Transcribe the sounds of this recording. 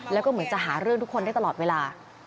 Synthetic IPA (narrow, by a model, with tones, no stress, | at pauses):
lɛː˦˥wkɔː˥˩mɯ˩˦ənt͡ɕa˨˩ɦaː˩˦ɾɯ˥˩əŋt̪ʰu˦˥kʰːo˧nda˥˩t̪alɔː˨˩t̪weː˧laː˧